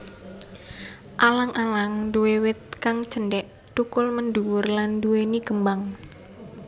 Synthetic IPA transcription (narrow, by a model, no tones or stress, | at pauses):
ʔalaŋʔalaŋduwewɪt̪̚kaŋd͡ʒənɖɛʔ | t̪ukʊlmənduwʊrlanduwenikəmbaŋ